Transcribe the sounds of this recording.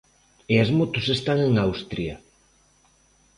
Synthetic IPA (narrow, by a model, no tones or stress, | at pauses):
eazmot̪ʊsest̪aŋeŋawst̪ɾiɐ